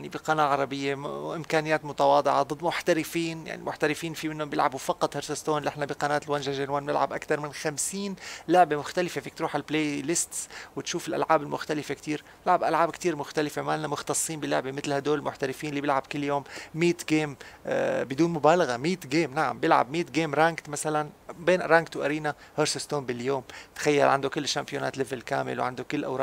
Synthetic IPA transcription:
jaʕnibɪqɑnaːaʕɑɾˤɑbɪjːeʔɪmkaːnɪjːaːt̪mʊt̪ɑwɑːd̪ˤɨʕɑd̪ˤɨd̪ːmʊħt̪aɾɪfiːnja̰ʕnḭmʊħt̪aɾɪfiːnfimɪnhʊmbɪlʕa̰bufɑqɑt̪ˤhɪɾsast̪oːnlʔɪħnabɪqɑnaːt̪lwanʒaʒanwaːnnɪ̰lʕa̰bʔakt̪ɑɾˤmɪnxamsiːnlʊʕbemʊxt̪alɪfefiːkt̪ɾuːħalpleːlɪst̪swɪt̪ʃuːfɪlʔa̰lʕaːbɪlmʊxt̪alɪfekt̪iːɾ | ʊʕabʔalʕaːbkt̪iːɾmʊxt̪alɪfemaːlnamʊxt̪ɑsˤːiːnbɪlʊʕbemɪt̪lhad̪oːlmʊħt̪alɪfiːnlːiːbɪlʕabkɪlːjoːmmiːt̪ɡeːm | bɪd̪uːnmʊbaːlaɣamiːt̪ɡeːmnaʕa̰mbɪlʕa̰bmiːt̪ɡeːmɾaːŋkt̪masalanbeːnɾaːŋɡt̪wʔaɾiːnahoːɾsɪst̪oːmbɪljoːmt̪xajːalʕa̰nd̪ukɪlːʃːampjonaːt̪lɪvɪlka̰ːmɪ̰lwʕand̪ukɪlːʔa̰wɾɑːʔ

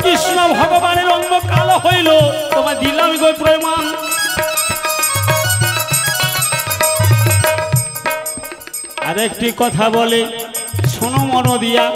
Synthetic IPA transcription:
kisnɔbʱɔɡɔbaneɾɔŋbɔkalɔhojlot̪ɔmad̪ilamiɡojpɾɔjman | aɾek̚ʈikɔt̪ʰabɔlesonɔmɔɽɔd̪ija

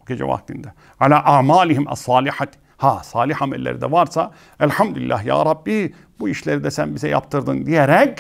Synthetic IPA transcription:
boɟe̞d͡ʒɛ̰va̰kt̪ʰind̪ɛ | ʕalaːʔaʕmaːliɦimæ̰sˤːɑːliħat̪ | hasˤɑːlˠiħamɛ̰lʲːḛɾid̪ɛ̰vaɾsa | ælħamd̪ulḭlʲːæːhja̰ːɾˤɑbːi | buiʃlʲeɾid̪ɛsænbizɛja̰pt̪ʰɯɾd̪ɯnd̪ijeɾɛc

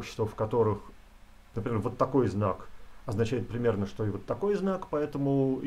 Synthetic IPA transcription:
pɕɪ̥st̪vəfkɐt̪o̞ɾɨx | nəpɾʲɪmʲervot̪ːɐko̞jznakɐznɐt͡ɕæɪt̪̚pɾʲɪmʲe̞rnəʂt̪o̞ɪvot̪ːɐko̞jznakpɐɛt̪əmʊ

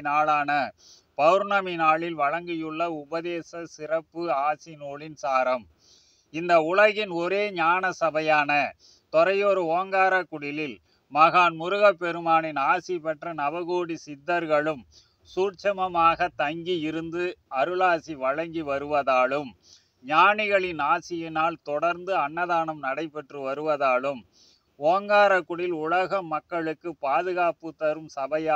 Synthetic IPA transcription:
naːɭaːnɐ | pɐʋɾɳɐmɪnaːɭɪlʋɐɻɐŋɡɪjɯɭːɐʊbɐðeːsɐsɪrɐpːɯaːsɪnoːɭɪnsaːɾɐm | ɪnd̪ɐʊɭɐɣɪnɔɾeːɲaːnɐsɐbɐjaːnɐ | t̪ɔɾɐjoɾɯoːɐŋɡaːɾɐkːʊɽɪlɪl | mɐɣaːnmʊɾʊɣɐpːɛɾɯmaːnɪnaːsipɐʈrɐnɐʋɐɣoːɽisɪd̪ːɐɾɣɐɭɯm | suːʈt͡ʃɐmɐmaːɣɐt̪ɐŋɡiɪɾɯnd̪ɯɐɾɯlaːsiʋɐɻɐŋɡiʋɐɾɯʋɐðaːɭɯm | ɲaːnɪɣɐɭɪnaːsɪjɪnaːlt̪ɔɽɐɾnd̪ɯɐɳːɐðaːnɐmnɐɽɐɪpːɛʈrɯʋɐɾɯʋɐðaːɭɯm | oːŋɡaːɾɐkːʊɽɪlʊɭɐɣɐmɐkːɐɭɯkːɯpaːðɯɣaːpɯt̪ːɐɾɯmsɐbɐjaː

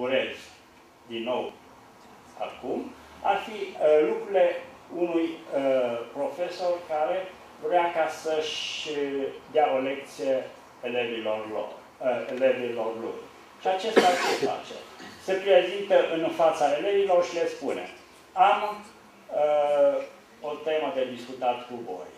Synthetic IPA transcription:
uɾez | d̪inːo̞w | a̰kum | a̰rfilukɾule̞unuj | pɾo̞fe̞so̞rkaɾe̞ | vɾeakasəʃ | d̪eao̞le̞k̚t̪sijeː | levilorlo̰r | elevilo̞rlṵj | ʃiat͡ʃest̪asea̰t͡ʃḛse̞pɾezint̪əʔɨnfat̪saele̞vilo̞rʃile̞spunḛ | am | o̞t̪e̞məd̪ed̪iskut̪at̪kuvo̞̰j

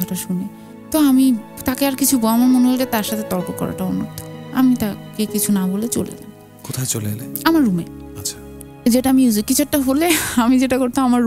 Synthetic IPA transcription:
aʈaʃune | t̪oamit̪akeaɾkit͡ɕʰubɔamaɾmoneɦolet̪aɾʃat̪ʰet̪ɔɾpokɔ̰ɾa̰ʈaɔnːo̰ɾt̪ʰo̥a̰mit̪akekit͡ɕʰunabolet͡ɕo̰lḛd͡ʑa̰ | kot̪ʰaet͡ɕoleeleamaɾːumḛatːʃʰḁ | d͡ʑeʈaamiuzikːit͡ɕʰoʈːaɦoleamid͡ʑeʈakoɾt̪ʰãamaɾ

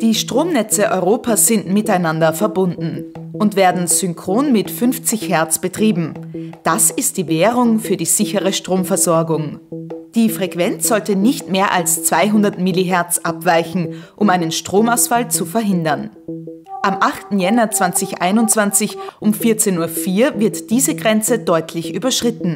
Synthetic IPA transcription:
d̥iːʃtʁ̥oːmnɛt͡səʔɔʏʁoːpaːsz̥ɪntmɪtaɪnandɐfɛɐbʊndn̩ | ʔʊntv̥eːɐdn̩z̥ʏŋkʁ̥oːnmɪtfʏnft͡sɪçhɛɐt͡sb̥ətʁ̥iːbm̩d̥asɪst̚d̥iːveːʁʊŋfyːɐdiːz̥ɪçəʁəʃtʁ̥oːmfɛɐzɔɐɡʊŋd̥iːfʁ̥ɛkv̥ɛnt͡sz̥ɔltənɪçtmeːɐʔalst͡sv̥aɪɦʊndɐtmiliɦɛɐt͡sʔapv̥aɪçn̩ʔʊmʔaɪnənʃtʁ̥oːmaʊsfalt͡sufɛɐɦɪndɐn | ʔamʔaχtn̩jɛnɐt͡sv̥ant͡sɪçʔa̰ɪnʊntt͡sv̥ant͡sɪçʔʊmfɪɐt͡seːnuːɐfiːɐvɪɐtd̥iːzəɡʁɛnt͡sədɔʏtʰlɪçʔy̰ːbɐʃʁ̥ɪtn̩

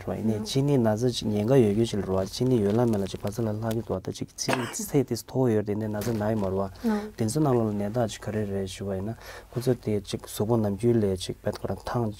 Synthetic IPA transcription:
wa̰ʔḭneːt͡ɕʰiːniːnat͡sʰat͡ɕiɲeŋɡajøcøːt͡ɕilaewat͡ɕʰiniːjølamːelat͡ɕikpat͡sʰalal̥aʔkit̪uʔat̪at͡ɕik̚t͡sʰiɾit͡sʰeːʔt̪est̪ʰowojøet̪eneːnat͡sʰanajømaewat̪ent͡sʰønaŋlɔlanɛːt̪̬aʔt͡ɕi̥kʰːaɾereʔɕyːpajinakʰot͡sʰot̪et͡ɕik̚suʔponamcyːlɛːt͡ɕik̚pɛːt̪̚kʰoɾat̪ʰaŋ

